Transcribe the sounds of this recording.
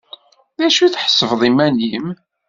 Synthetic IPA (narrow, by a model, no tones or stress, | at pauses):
ðæʃuθħə̥sːəvðˤimænim